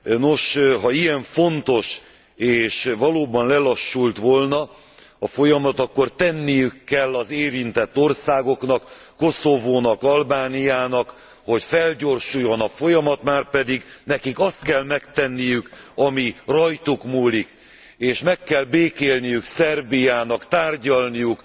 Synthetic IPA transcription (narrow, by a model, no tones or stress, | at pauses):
no̞ʃɦɒijɛɱfo̞nt̪o̞ʃ | eːʃʋɒloːbɒnlɛlɒʃːult̪ʋolnɒ | ɒfo̞jɒmɒt̪ɒkːo̞rt̪ɛnːijykːɛlːɒzeːɾint̪ɛt̪ːo̞rsaːɡo̞knɒkː | o̞so̞voːnɒkɒlbaːnijaːnɒk | ho̞cfɛlɟo̞rʃujo̞nɒfo̞jɒmɒt̪maːrpɛd̪iɡnɛkikɒst̪kɛlmɛkt̪ɛnːijykɒmirɒjt̪ukmuːlik | eːʃmɛkːɛlbeːkeːlnijyksɛrbijaːnɒkt̪aːrɟɒlnijuk